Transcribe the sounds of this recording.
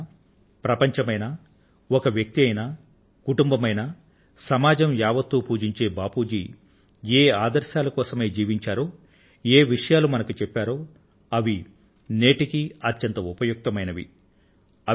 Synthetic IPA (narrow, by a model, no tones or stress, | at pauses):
pɾɐpɐɲt͡ʃɐmɐjnɐ | ɔkɐʋjɐk̚t̪iɐjnɐ | kuʈumbɐmɐjnɐ | sɐmaːd͡ʒɐmjaːʋɐt̪ːupuːd͡ʒiɲt͡ʃe̞ːbaːpuːd͡ʒḭ | eːaːd̪ɐɾʃaːlɐkɔːsɐme̞ːd͡ʒiːʋiɲt͡ʃaːɾoː | eːʋiʂɐjaːlumɐnɐkut͡ʃɛpːaːɾoː | ɐʋi | neːʈikiɐt̪jɐnt̪ɐupɐjuk̚t̪ɐmɐjnɐʋḭ | ɐ